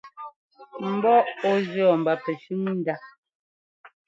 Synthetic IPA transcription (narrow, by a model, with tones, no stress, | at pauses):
m̩˨˦bɔ˦ʔɔ˦zɰɔ˨m̩˨ba˦pɛ˨ʃʉ˦m˦n̩˦da˦